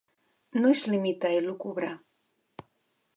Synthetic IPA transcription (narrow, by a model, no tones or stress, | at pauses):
noezlimit̪aelukuβɾa